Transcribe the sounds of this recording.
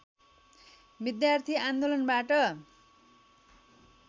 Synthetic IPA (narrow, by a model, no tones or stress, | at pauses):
bid̪jart̪ʰiand̪olʌnbaʈʌ